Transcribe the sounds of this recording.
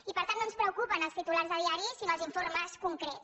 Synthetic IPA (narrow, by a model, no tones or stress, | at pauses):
ipəɾt̪annõnspɾəwkupənəlˠst̪it̪ulaɾzəðiaɾisinəlˠziɱfoɾməskuŋkɾes